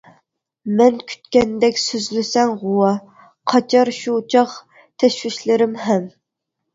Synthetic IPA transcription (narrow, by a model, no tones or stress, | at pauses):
mɛnkʲʰy̥t̪kʲɛnd̪ɛkʲsyzlysɛŋʁʊwɑ | qʰɑt͡ʃʰɑɾʃuːt͡ʃʰɑq | t̪ʰɛʃwɪʃlɪɾɪmɦɛm